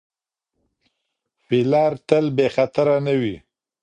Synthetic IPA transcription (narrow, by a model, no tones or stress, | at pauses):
filɑɾt̪əlbexat̪aɾanəwi